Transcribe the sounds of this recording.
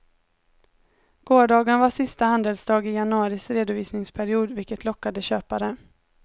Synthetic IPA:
ɡ̥oːɖɑːɡənvaʂɪst̪ahand̪əlsd̪ɑːɡɪjanɵɑːɾɪsɾeːd̪ʊviːsnɪŋspʰæɾɪuːd̪vɪlkət̪lɔkːad̪əɕøːpaɾə

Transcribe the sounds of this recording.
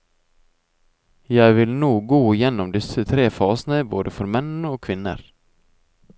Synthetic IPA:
jæɪʋɪlnuːɡoːɪjɛnɔmd̪ɪsət̪ʰɾeːfɑːsnəbo̰ːd̪əfɔɾmɛnoːkʰʋɪnːə̰ɾ

